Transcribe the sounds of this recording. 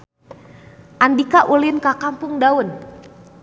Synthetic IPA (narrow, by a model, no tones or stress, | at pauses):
ʔandikaʔulɪnkakampʊŋdaʊn